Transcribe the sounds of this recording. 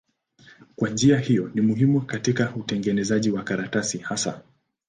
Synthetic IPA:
kwand͡ʒiahijɔnimuɦimukatikautɛŋɡɛnɛzaʄiwakaɾatasihasa̰

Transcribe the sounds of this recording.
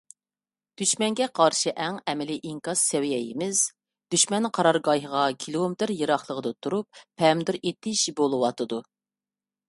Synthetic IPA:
d̪̥yʃmɛŋɡʲɛqʰɑɾʃɨʔɛŋɛmɪlɪʔiŋkɑzsɛwjɛjɪmɪz̥ | d̪̥yʃmɛnqʰɑɾɑɾɡɑjɦəʁɑkʲʰilˠomɪt̪ɪɾjɨɾɑχlˠəʁəd̪ɨt̪ʰuɾupʰːɛmd̪yɾet̪ʰɪʃbolˠɨwɑt̪ʰɨd̪u

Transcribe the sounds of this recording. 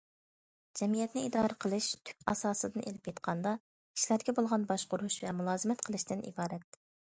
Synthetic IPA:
d͡ʒɛmijɛt̪nɪid̪ɑːɾəqʰəlˠɨʃt̪ʰy̥k̚ʲɑ̰sɑːsɨd̪ɨnʔelɪpjet̪qʰɑnd̪ɑ | i̥ʃlæɾd̪ɪɡʲɛbolˠʁɑnbɑʃqʊɾuʃvɛmulˠɑːzɨmɛt̪qʰəlˠɨʃt̪ɪnʔḭbɑːɾɛt̪̚

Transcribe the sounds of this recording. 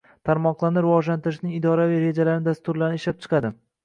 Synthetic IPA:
t̪ʰaɾmɒqlˠaɾnɪɾɪvɒʒlant̪ɪɾɪʃnɪŋɪd̪ɒɾaviɾe̞d͡ʒalaɾnɪd̪ast̪ʊɾlaɾnɪʃlap̚t͡ʃʰɨ̥qʰɑd̪ɪ

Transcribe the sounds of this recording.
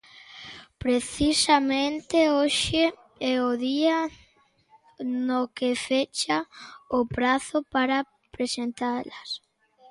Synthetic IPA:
pɾeθisamẽnt̪eoʃe | ɛoðia | nokefet͡ʃaʊpɾaθʊpaɾa | pɾesent̪alas

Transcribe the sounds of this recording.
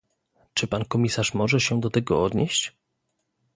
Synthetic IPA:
t͡ʂɘpankɔmʲisaʂmɔʐɛɕɛd̪ɔt̪ɛɡɔɔd̪ɲeɕt͡ɕ

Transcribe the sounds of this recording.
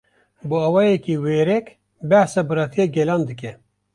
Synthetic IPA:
bɨawɑːjɛkiweːɾɛk | bɛhsabɨɾɑt̪ʰijeɡɛlɑːnd̪ɨk̬ɛ

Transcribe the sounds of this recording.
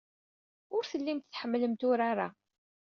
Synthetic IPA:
ʊɾθəlːimt̪θħəmːləmt̪ʊɾaɾa̰

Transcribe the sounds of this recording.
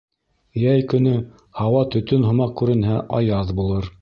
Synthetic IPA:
jæjkɵ̆nɵ | hɑwɑt̪ɵ̆t̪ɵnɦŏmɑq̚kʉɾɘ̆nɦæʔɑjɑðbulˠɤɾ

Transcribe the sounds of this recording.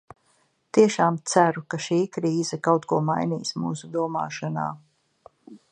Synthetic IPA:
t̪iɛʃaːmt̪sæɾukaʃiːkɾiːzɛkawt̪kuɔmajnḭːsmuːsud̪uɔma̰ːʃana̰ː

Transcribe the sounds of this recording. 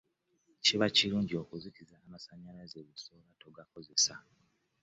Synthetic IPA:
ciβaciluːɲɟio̞kuzitizaːmasaɲalazeβusoβato̞ɡako̞ze̞sa

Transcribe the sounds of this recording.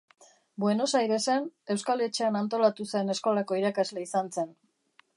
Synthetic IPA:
bwe̞no̞sajðe̞sene̞wskale̞t͡ʃe̞anant̪o̞lat̪use̞ne̞sko̞lako̞iɾakazle̞isanse̞n

